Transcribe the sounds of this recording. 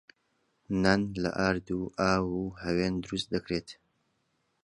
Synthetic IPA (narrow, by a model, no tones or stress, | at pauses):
nɐnlɐ̰ʔaːɾd̪uːʔaːwuːhɐweːnd̪ʊɾust̪̚d̪ɐkɾeːt̪